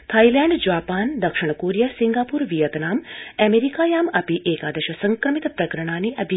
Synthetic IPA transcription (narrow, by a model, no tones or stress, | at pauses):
t̪ʰɐjlɛːɳɖd͡ʒaːpaːnd̪ɐkʂiɳ̃koːɾijasiŋɡaːpuːɾʋijɐt̪naːmɛmeːɾikaːjaːmɐpiʔeːkaːd̪ɐʃɐsɐŋkɾɐmit̪pɾɐkɐɾɐɳ̃aːniʔɐbʱi